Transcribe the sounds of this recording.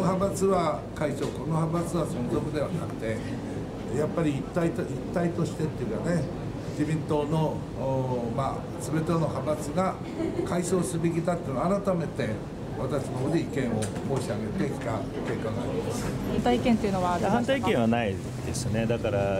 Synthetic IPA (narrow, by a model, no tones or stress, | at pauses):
oɦabat͡sɨβakaiɕo̞ko̞noɦabat͡sɨβasõ̞nzo̞kɯ̟d̪e̞β̞ana̰kɯ̟̥t̪e̞ | japːaɾʲiːt̪ːait̪it̪ːait̪o̞ɕi̥t̪e̞t̪ːeiɯ̟kane̞ | d͡ʑibʲĩnt̪o̞ːno̞ | ma̰ | sɨbe̞t̪onohabat͡sɨɡa | kaiso̞ːsɨɯbek̬ʲit̪at̪ːeinaɾat̪ame̞t̪e̞ | βat̪aɕinoɦoːd̪iikẽ̞ɰ̃o̞ | mo̞ːɕiaɡe̞t̪e̞kʲi̥t̪a | ke̞ːkãɡa̰ɾʲimaasɨ̥hãnt̪aikẽnt̪eiɯ̟noβaahãnt̪aikẽɰ̃βanai | d̪e̞sɨne̞d̪akaɾa